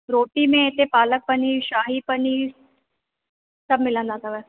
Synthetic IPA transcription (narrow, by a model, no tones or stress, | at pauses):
ɾoːʈiːmẽet̪epaːlək̚pəniːʃaːɦipəniː | sɐbmɪlə̃ːnd̪ãːt̪abəs